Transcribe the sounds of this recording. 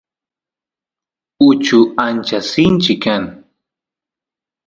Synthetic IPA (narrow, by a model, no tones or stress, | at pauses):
ʊt͡ʃʊant͡ʃasɪnt͡ʃɪkːaŋ